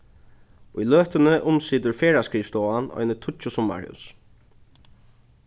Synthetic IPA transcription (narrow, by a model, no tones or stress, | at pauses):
ʊjløːht̪ənəʔʊmsiːt̪əɹfeːɹaskɹiːft̪oːanɔ̰ʏnət̪ʰʊt͡ʃʊsʊmːa̰ɹ̰ʊ̰s